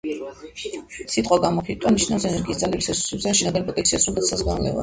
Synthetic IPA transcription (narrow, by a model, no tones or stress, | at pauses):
sit̪ʼqʼaɡamɔχit̪ʼaniʃnafsɛnɛɾɡiːstd̪zalɛbisɛsu̥sɛbsɛanʃɛnaɡanpʼɔt̪ʼɛ̃nkt̪sʰiasuat̪sazɡanlɛ̰va̰